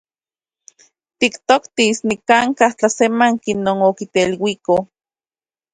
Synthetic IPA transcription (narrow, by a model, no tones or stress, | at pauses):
t̪ikt̪okt̪isnikaŋkaht͡ɬasemaŋkinoːnokit̪elwiko